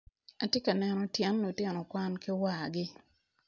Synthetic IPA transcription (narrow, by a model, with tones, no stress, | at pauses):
a˨tjɛ˦ka˨nɛ˨nɔ˨tjɛ˦nːo˨tjɛ˨nɔ˨kwa˦nkɪ˦wa˨ɡɪ˦